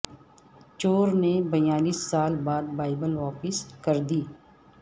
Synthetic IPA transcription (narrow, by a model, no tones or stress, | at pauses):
t͡ʃoːɾnebɐjaːlisːaːlbaːd̪̚baːɪbəlʋaːpɪskəɾd̪iː